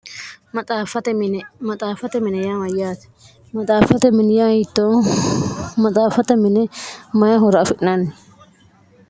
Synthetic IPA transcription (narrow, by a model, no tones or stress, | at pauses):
mɐt̪ʼaːfɐt̪ɛmɐt̪ʼaːfɐt̪ɛmɪnɛjaːmɐjaːt̪ɛ̥ | mɐt̪ʼaːfɐt̪ɛmɪnɛjaːhɪt̪ːo | mɐt̪ʼaːfɐt̪ɛmɪnɛmɐjaɦɔɾɐːfɪʔnɐnɪ